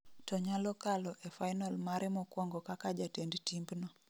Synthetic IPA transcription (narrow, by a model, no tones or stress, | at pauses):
tɔɲalɔkalɔʔefajnalmaɾɛmɔkwɔŋɡɔkakad͡ʒatendtimbnɔ